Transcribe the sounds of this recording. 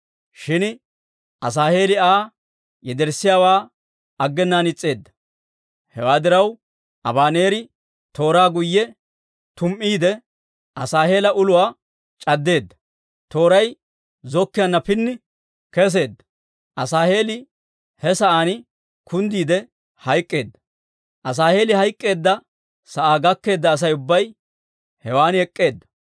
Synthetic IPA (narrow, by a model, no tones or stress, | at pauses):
ʃɪn | ʔɐs̬aːhe̞ːlɪaː | jɛd̪ɛɾsːɪjaːwaː | ɐɡːɛnːaːnɪt͡sʼːe̞ːd̪ːɐ̥ | hɛwaːd̪ɪɾɐw | ʔɐ̰baːne̞ːɾɪ | t̪o̞ːɾaːɡʊjːɛ | t̪ʊmʔiːd̪ɛ | ʔɐsaːhe̞ːlɐʔʊlʊwaː | t͡ʃʼɐd̪ːe̞ːd̪ːɐ | t̪o̞ːɾɐj | zɔkːɪjɐnːɐpɪnːɪ | kɛs̬e̞ːd̪ːɐ̥ | ʔɐsaːhe̞ːlɪ | hɛsɐʔaːn | kʰʊnd̪iːd̪ɛ | hɐjkʼːe̞ːd̪ːɐ | ʔɐs̬aːheːlɪhɐjkʼːe̞ːd̪ːɐ | sɐʔaːɡɐkːe̞ːd̪ːɐːs̬ɐjʊbːɐj | hɛwaːnhɛkʼːe̞ːd̪ːɐ̥